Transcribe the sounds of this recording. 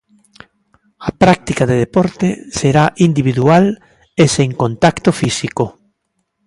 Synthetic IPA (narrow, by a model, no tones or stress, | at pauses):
ɐpɾak̚t̪ikaðeðepɔɾt̪eseɾaʔind̪iβ̞iðual | eseŋkont̪akt̪ofisiko